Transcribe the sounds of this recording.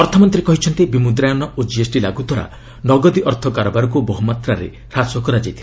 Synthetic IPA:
ɔɾt̪ʰɔmɔnt̪ɾikɔɦit͡ʃʰɔnt̪ibimud̪ɾajɔnɔʔod͡ʒiesʈila̰ɡut̪aɾa̰ | nɔɡɔd̪iʔɔɾt̪ʰɔkaɾɔbaɾɔkubɔɦumat̪ɾaɾḛ | ɾasɔkɔɾad͡ʒajt̪ʰi̥

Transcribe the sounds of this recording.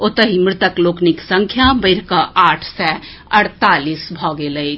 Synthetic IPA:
ot̪əɦimɾɪt̪əklokniksəŋkʰjabəɪɾkəʔaʈʰsɛ | əɽt̪alisbʱɔɡeləɪt͡ʃʰ

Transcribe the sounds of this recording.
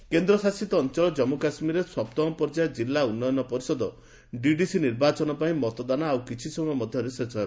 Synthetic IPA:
kend̪ɾɔsasit̪ɔːnt͡ʃɔlɔd͡ʒɔmukasmiɾeswɔpt̪ɔmɔpɔɾd͡ʒajd͡ʒilːaunːɔjɔnɔpɔɾisɔd̪ɔ | ɖiɖisiniɾbat͡ʃɔnɔpaĩmɔt̪ɔd̪anaawkit͡ʃʰisɔmɔjɔmɔd̪ʱjɔɾesesʰɔ

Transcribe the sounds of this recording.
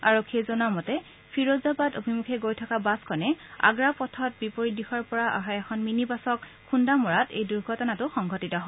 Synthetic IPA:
aɹokʰːiezɔnamɔtɛ | pʰiɹozabatobʱimukʰɛɡojtʰɔkabaskʰɔnɛa̰ɡɹapɔtʰɔt̚bipoɹidixɔɹpɔɹaʔa̰ɦajɛkʰɔnminibasɔk | xundamɔɹatḛjduɹɡʱɔtɔnatʊxɔŋɡʱɔtitɔɦɔ

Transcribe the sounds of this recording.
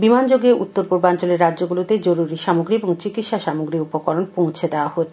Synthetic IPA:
bimand͡ʑoɡeʔṵt̪ːoɾpoɾbant͡ɕoleɾːad̪d͡ʑoɡulot̪ed͡ʑoɾuɾiʃamoɡɾieboŋt͡ɕikit̪ʃaʃamoɡɾiupokɔɾonpõw̃t͡ɕʰed̪eoahot̪ʰ

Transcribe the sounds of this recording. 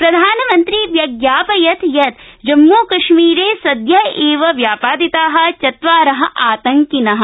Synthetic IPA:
pɾɐd̪ʱaːnɐmɐ̃nt̪ɾiʋjɐɡjaːpɐjɐt̪ʰjɐt̪d͡ʒɐmːuːkɐʃmiːɾeːsɐd̪jɐeːʋɐʋjaːpaːd̪it̪aːɦɐ̆t͡ʃɐt̪ʋaːɾɐɦɐ̆ʔaːt̪ɐ̃ŋkinɐɦɐ̆

